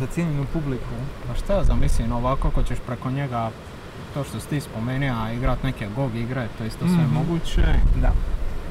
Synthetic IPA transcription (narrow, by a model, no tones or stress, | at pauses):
zat̪jeːɲenupublikupaʃt̪azamislinoʋakokot͡ɕeʃpɾeko̞ɲe̞ɡa | t̪oːʃt̪ost̪iːspomeːniaiɡɾat̪nekeɡoɡiɡɾet̪ojist̪osʋemo̞ɡuːt͡ɕed̪a